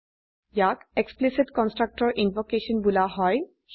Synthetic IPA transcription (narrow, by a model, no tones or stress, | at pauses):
jakeksplisitkɔnsʈɹak̚ʈɔɹʔinpokeʃɔnbulaɦɔj